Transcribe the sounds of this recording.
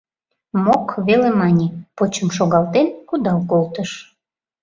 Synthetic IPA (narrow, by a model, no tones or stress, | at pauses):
mokβelemɑnʲipot͡ɕəmʃoɣɑlt̪enkud̪ɑlkolt̪əʃ